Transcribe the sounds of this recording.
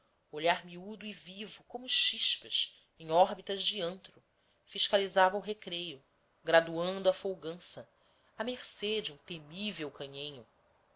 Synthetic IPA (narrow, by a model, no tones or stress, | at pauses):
oʎaɾmiud̪ʊivivʊkõmʊʃiʃpɐʃ | ẽŋ̃ɔɾbit̪ɐzd͡ʒiɐ̃nt̪ɾʊ | fiʃkalizavɐuɦekɾejʊ | ɡɾad̪uɐ̃nd̪ʊɐfowɡɐ̃sɐ | ɐmeχsed͡ʒɪũt̪emivewkɐ̃ɲẽɲʊ